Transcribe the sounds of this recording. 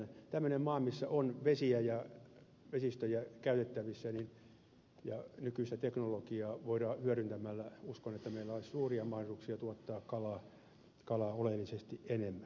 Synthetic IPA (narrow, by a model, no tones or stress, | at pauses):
t̪æmːønemmɑːmisːæʔonʋesiæjɑ | ʋesist̪øjækæyt̪et̪ːæʋisːænin | jɑnykyist̪æt̪eknolokiɑːʋoiɾɑːhyæɾynt̪æmælːæuskonet̪ːæmeilːæolissuːriɑmɑhrisuksiɑt̪uot̪ːɑːkkɑlɑː | kɑlɑolelːisest̪iʔenemːæ